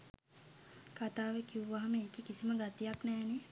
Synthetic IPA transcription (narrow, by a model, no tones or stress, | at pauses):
kat̪aːʋekiuʋaɦaməeːkikisiməɡat̪ijaknɛːne